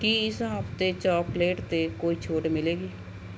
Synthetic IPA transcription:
kiːɪsɦəpʰt̪eːt͡ʃaːpleːʈt̪eːkoːiːt͡ʃʰoːʈmɪleːɡiː

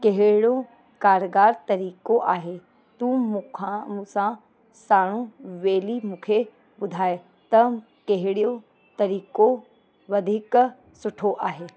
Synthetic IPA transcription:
kɐɦɪɽo | kaːɾɡaːɾt̪ɐɾiːkoʔaːɦe | t̪ũmũkʰãsã | saːɽ̃ũʋeːlimũːkʰe | bʊd̪ʱaːe | t̪ɐ | keɦɪɽijo | t̪ɐɾiːko | ʋɐd̪ʱik | sʊʈʰoʔaːɦeː

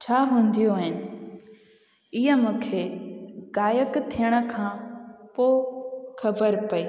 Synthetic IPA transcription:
t͡ɕʰaːɦũːnd̪ijoɦɪnɪ̆ | ɪɦəmũːkʰeːɡaːjəkt̪ʰijəɽ̃ə̆kʰãːpoːxʰɐbəɾpɐiː

